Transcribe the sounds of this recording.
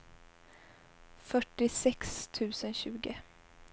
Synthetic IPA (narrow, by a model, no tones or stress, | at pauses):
fœʈːɪsɛkst̪ʰʉ̟ːsənɕʉ̟ːɡə